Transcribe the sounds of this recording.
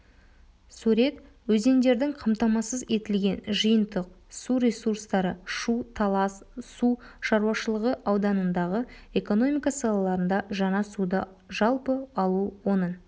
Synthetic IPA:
sʉɾe̞t̪ | wɵze̞nd̪e̞ɾd̪ɪŋqʰɑmt̪ɑmɑsəze̞t̪ɪlɡʲe̞nʒəjənd̪əq̚ | suɾʲe̞suɾst̪ɑɾəʃut̪ʰɑssuʃɑɾuɑʃəlˠəʁəʔɑwd̪ɑnənd̪ɑʁəe̞ko̞no̞mʲijkɑsɑlˠɑlˠɑɾənd̪ɑʒɑɴɑsud̪ə | ʒɑlˠpəɑlˠuwo̞nən

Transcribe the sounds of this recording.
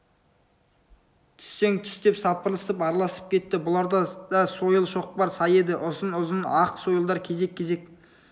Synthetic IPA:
t̪ʰɪ̥sːe̞ŋt̪ʰɪ̥st̪e̞psɑpəɾlˠəsəpɑɾɑlˠɑsə̥p̚kʲʰe̞t̪ːɪbʊlˠɑɾd̪ɑd̪ɑso̞jəlˠʃo̞q̚bɑɾsɑje̞d̪ɪʔʊzənʊzənɑqso̞jəlˠd̪ɑɾkʲʰe̞ze̞kʲʰːe̞ze̞k

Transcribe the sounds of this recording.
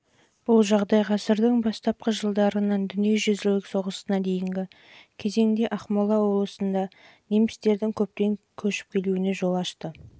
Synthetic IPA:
b̥ʊlˠʒɑʁd̪ɑjqʰɑsəɾd̪əɴbɑst̪ɑp̚qəʒəlˠd̪ɑɾənɑnd̪ʏnijeʒʏzɪllɪkso̞ʁəsənɑd̪e̞jɪŋɡʲɪ | kʲʰe̞ze̞ŋd̪e̞ʔɑχmɑlˠɑwo̞blˠəsənd̪ɑ | ne̞mɪst̪e̞ɾd̪ɪŋkʲʰɵp̚t̪e̞ŋ | kʲʰɵʃɪ̥p̚kʲʰe̞luɪne̞ʒo̞lˠɑʃt̪ə

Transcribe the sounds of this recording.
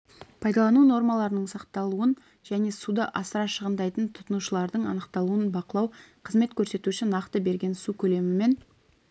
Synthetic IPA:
pʰɑjd̪ɑlˠɑnuno̞ɾmɑlˠɑɾənəɴsɑqt̪ɑlˠuən | ʒ̥æne̞sud̪əʔɑsəɾɑʃəʁənd̪ɑjt̪ənt̪ʰʊ̥t̪ənuʃəlˠɑɾd̪əɴɑnəqt̪ɑlˠuənbɑqəlˠɑwqʰəzme̞t̪kʲʰɵɾse̞t̪uʃɪnɑqt̪əbe̞ɾɡʲe̞nsukʲʰɵle̞mɪme̞n

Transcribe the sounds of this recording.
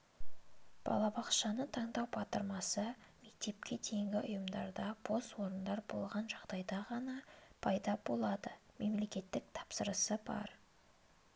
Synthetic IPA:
b̥ɑ̰lˠɑbɑqʃɑnət̪ʰɑɴd̪ɑwbɑt̪əɾmɑsəme̞k̚t̪e̞pkʲe̞t̪ʰe̞jŋɡʲɪʔʊjəmd̪ɑɾd̪ɑb̥ʰo̞st̪wo̞ɾənd̪ɑɾbo̞̰lˠʁɑnʒɑʁd̪ɑjd̪ɑʁɑnɑpʰɑjd̪ɑbo̞lˠɑd̪əme̞mle̞kʲe̞t̪ːɪk̚t̪ʰɑ̥psəɾəsəbɑ̰ɾ

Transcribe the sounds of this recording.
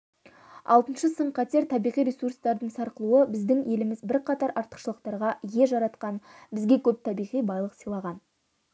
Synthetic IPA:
ɑ̰lˠt̪ənʃəsəɴqʰɑt̪e̞ɾt̪ʰɑbijʁijɾesurst̪ɑɾd̪əɴsɑɾqəlˠuəbɪzd̪ɪŋje̞lɪmɪzbɪɾqʰɑt̪ɑɾʔɑɾt̪ə̥qʃəlˠəq̚t̪ɑɾʁɑje̞ʒɑɾɑt̪̚qɑnbɪzɡʲe̞kʲʰɵp̚t̪ʰɑbijʁijbɑjlˠəqsijlˠɑʁɑn

